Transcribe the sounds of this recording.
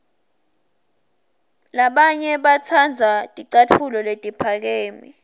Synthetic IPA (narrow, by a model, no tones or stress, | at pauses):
laɓaɲɛɓat͡sʰand͡zʱatʼiǀat͡fʰulɔletʼipʰak̬eːmi